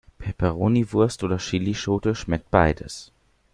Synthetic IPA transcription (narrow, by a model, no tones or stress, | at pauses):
pʰɛpɛʁoːnivʊɐstʔoːdɐʃiliʃoːtəʃmɛk̚t̚b̥a̰ɪdə̰s